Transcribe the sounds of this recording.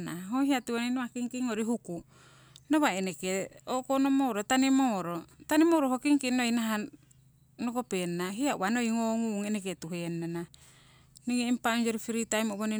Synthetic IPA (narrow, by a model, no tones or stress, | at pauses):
naɦohiatuoninoβakiŋkiŋoɾiɦuku | noβaenekeokonomoɾotanimoɾotanimoɾohokiŋkinojnaɦa | nokopennaɦiauβanojŋoŋuŋeneketuɦenːana | niŋeimpaond͡ʒoɾifiɾitajmoβoni